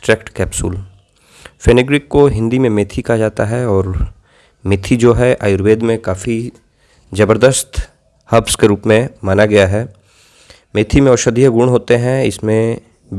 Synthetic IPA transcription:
ʈɾɛːkʈkɛːpsʊ̰l | feːnɪɡɾɪkːoɦɪ̃nd̪imẽmeːt̪ʰikad͡ʒaːt̪aɦɛɔːɾ | mɪt̪ʰid͡ʒoːɦɛʔaːjʊɾʋeːd̪mẽkaːfi | d͡ʒɐbəɾd̪əst̪ | hɐbskeɾuːpmẽmaːnaɡɐjaɦɛː | meːt̪ʰimẽɔːɾʃəd̪ijəɡʊːɽɦoːt̪eɦɛ̃ɪsmẽ

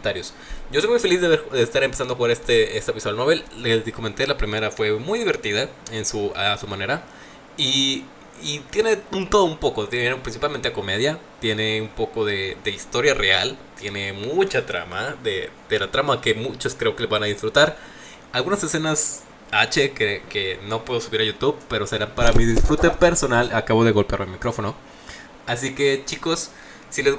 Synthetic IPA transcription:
t̪aɾjos | ɟ͡ʝosojmujfelizðeβeɾðeːst̪aɾempesand̪oaxuɣaɾest̪eest̪apisoalnoβelːezkoment̪e̞lapɾime̞ɾafwe̞mujðiβe̞ɾt̪iðaensuasumane̞ɾa | i | it̪jene̞unt̪o̞ðoumpo̞kot̪jeneeɾpɾinsipalment̪eako̞me̞ð̞jat̪je̞ne̞umpo̞ko̞ðe̞d̪e̞ist̪o̞ɾjare̞a̰lt̪je̞ne̞mut͡ʃat̪ɾa̰maðed̪elat̪ɾamake̞mut͡ʃoskɾe̞o̞ke̞lezβanaðisfɾut̪aɾ | alɣunase̞se̞nas | at͡ʃekekeno̞pwe̞ð̞osuβiɾaʝut̪uβpe̞ɾo̞se̞ɾampaɾamiðisfɾut̪e̞pe̞ɾso̞nalakaβo̞ð̞eɣo̞lpeja̰ɾloelmikɾo̞fo̞no̞ | as̬ike̞t͡ʃiko̞sː | ilez

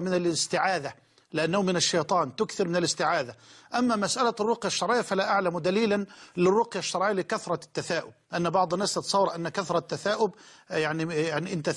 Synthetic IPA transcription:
mɪnalɪst̪ɪʕaːd̪a | lɪʔanːahʊmɪnaʃːɑjt̪ˤɑːnt̪ʊkθɪɾmɪnɪlɪst̪ɪʕaːd̪aʔamːamasʔalarˤːʊqjaʃːɑɾˤʕɪjːafalaʔaʕlamd̪aliːlanlɪrːʊqjaʃːɑɾˤʕijalɪkaθɾˤɑt̪ːaθaːʔʊbʔanːabɑʕd̪ˤɑnːaːst̪ɨt̪ɑ̥sˤɑwːɑɾˤʔanːakaθɾˤɑt̪ːaθaːʔʊbjaʕnijaʕniʔɪnt̪a

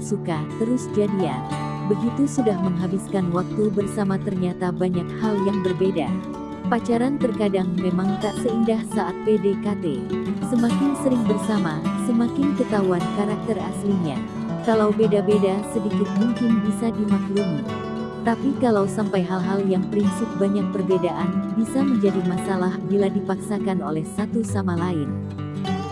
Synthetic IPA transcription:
sukat̪əɾʊsd͡ʒadia̰ | bəɡit̪usudahməŋɦabiskanwak̚t̪ubərsamat̪ərɲat̪abaɲak̚haljaŋbərbeda | pat͡ʃaɾant̪ərkadaŋmemaŋt̪aʔsəindahsaʔat̪̚pedekat̪esəmakɪnsəɾɪŋbərsamasəmakɪnkət̪auankaɾak̚t̪ərasliɲa̰ | kalawbedabedasədikɪt̪̚muŋkɪnbisadimak̪luŋi | t̪apikalawsampajɦalɦaljaŋpəɾinsʊt̪̚baɲak̚pərbedaʔanbisaməɲd͡ʒadimasalahbiladipaksakano̰lɛhsat̪usamalaɪn

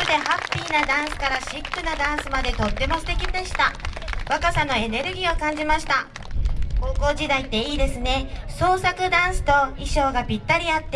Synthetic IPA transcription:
ɯd̪e̞ɦapʲːiːnad̪ãɰ̃sɨ̥kaɾaɕikːɯ̟nad̪ãɰ̃sɨmad̪e̞t̪o̞t̪ːe̞mo̞sɨ̥t̪e̞kʲid̪e̞ɕi̥t̪aβakasano̞e̞ne̞ɾɯ̟ɡʲiːo̞kãɲ̟d͡ʑimaɕi̥t̪a | ko̞ːko̞ːʑid̪ait̪ːe̞iːd̪e̞sɨne̞so̞ːsakɯ̟d̪ãɰ̃sɨ̥t̪o̞iɕo̞ːɡapʲit̪ːaɾʲiat̪ːe

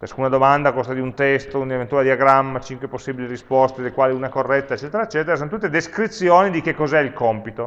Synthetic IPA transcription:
t͡ʃaskunad̪omand̪akost̪ad̪iunt̪ɛst̪ounevent̪ualed̪iaɡɾamːat͡ʃiŋkweposːiːbiliɾispɔst̪ed̪elkwaːliuːnakorːɛt̪ːaet͡ʃːɛːt̪eɾaet͡ʃːɛːt̪eɾasonot̪ut̪ːed̪eskɾit̪sːjoːnid̪ik̟ekːɔzɛilkɔmpit̪o

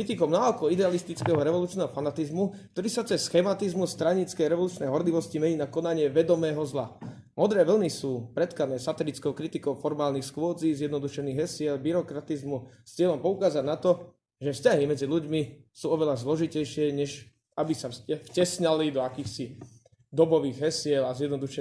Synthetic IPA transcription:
kɾit̪ikɔʊnaɔkɔid̪ɛalist̪it͡skɛːɦɔɾɛʋɔluːt͡ʃnɛːɦɔfanat̪izmuk̚t̪ɔɾiːsat͡sɛsxɛmat̪izmust̪ɾaɲit͡skɛjɾɛʋɔluːt͡ʃnɛjɦɔɾliʋɔscimɛɲiːnakɔnaɲɪɛʋɛd̪ɔmɛːɦɔzla̰ | mɔd̪ɾɛːʋl̩nisuːpɾɛt̪kanɛːsat̪ɛlit͡skɔʊkɾit̪ikɔʊfɔɾmaːlnixsxʊɔd͡ziːzjɛd̪nɔd̪uʃɛniːɣɦɛsɪɛlbiɾɔkɾat̪izmust͡sɪɛlɔmpɔukaːzanat̪ɔ | ʒɛfscaɦimɛd͡ziʎuɟmisuːɔʋɛʎazlɔʒicɛjʃɪɛɲɛʒ | abisafcɛsɲalid̪ɔakiːxsi | d̪ɔbɔʋiːɣɦɛsɪɛlazjɛd̪nɔd̪uʃɛ

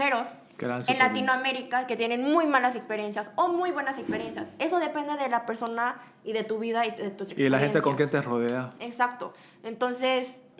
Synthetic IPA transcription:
e̞ɾos | kḛɾansnlat̪inoame̞ɾikaket̪je̞ne̞nmujmalasekspeɾje̞nsjasomujβwe̞nasekspeɾje̞nsjase̞so̞ðe̞pe̞nd̪e̞ðelapeɾso̞na | iðe̞t̪uβiðaiðet̪useielaxet̪ekoŋkjent̪eroðeaeksakt̪o | ent̪o̞nses

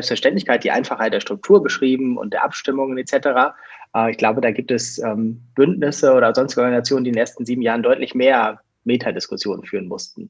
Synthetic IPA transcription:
zɛlpstfɛɐʃtɛntlɪçkʰaɪtd̥iːʔa̰ɪnfaχhaɪt̚d̥eɐtʁ̥ʊk̚tʰuːɐbəʃʁ̥iːbm̩ʊ̰nt̚d̥eːɐʔapʃtɪmʊŋənet͡sɛtəʁaː | ʔɛɪçɡ̥laʊbədaːɡiːp̚tɛsʔɛːmb̥ʏntnɪsəoːɾɐzɔnstɪ̥ɡʔɔɡanzat͡sjoːnəndidenʔeːɐstn̩ziːbm̩jaːʁəndɔʏtlɪçmeːɐ | meːtʰadɪskʊsjoːnənfyːʁənmʊstn̩

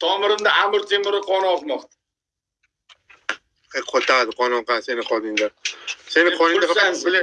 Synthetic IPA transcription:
t̪ʰɒmɪɾɪmd̪aamɪɾt̪ʰemɪɾɪqʰɒnɒqmɒqt̪ | eqʰot̪ːad̪ɪqʰɒnɒqasenɪqʰɒd̪ɪŋd̪asenɪqʰɒnɪd̪afaabɪla

